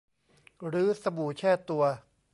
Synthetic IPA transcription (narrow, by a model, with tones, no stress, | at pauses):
ɾɯː˨˦˥sa˧buː˨˩t͡ɕʰɛː˥˩t̪ːu˧ɐ